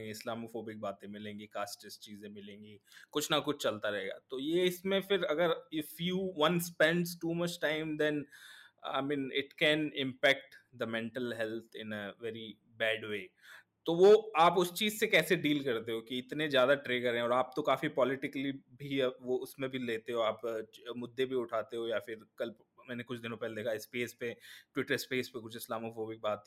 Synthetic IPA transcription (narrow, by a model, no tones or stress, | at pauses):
ɪslaːmofoːbɪk̚baːt̪ẽmɪlẽːŋɡikaːsʈɪst͡ʃiːzẽmɪlẽːŋɡikʊt͡ʃʰnakʊt͡ʃʰt͡ʃɐlt̪aɾɐɦeːɡa̰ːt̪ojeɪsmẽfɪɾɐɡəɾɪfjuːʋɐ̃nspɛ̃ɳɖsʈuːmɐt͡ʃʈãɪ̃md̪ɛ̃na̰ɪmĩːnɪʈkɛ̃nɪ̃mpɛk̚ʈd̪əmɛ̃ɳʈəlɦɛlt̪ʰɪ̰̃nəʋɛɾi | bɛːɖʋeː | t̪oʋoaːpʊst͡ʃiːzsekɛːseɖiːlkɐɾt̪eɦokiɪt̪nezjaːd̪aʈɾeːkɐɾɛ̃ɔːɾaːp̚t̪okaːfipɔːlɪʈɪkəlibʱiʋoʊsmẽbʱileːt̪eɦoaːpmʊd̪ːebʱiʊʈʰaːt̪eɦojaːfɪɾkɐl | mɛ̃ːnekʊt͡ʃʰd̪ɪnõpɛɦled̪eːkʰaɪspeːspeʈwɪʈəɾɪspeːspekʊt͡ʃʰɪslaːmofoːbɪk̚baːt̪